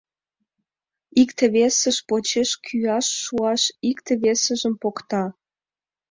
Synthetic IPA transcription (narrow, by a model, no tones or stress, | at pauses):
ikt̪ĕβesəʃpot͡ɕeʃkʰyɑʃːuɑʃikt̪ĕβesə̆ʒə̆mpokt̪ɑ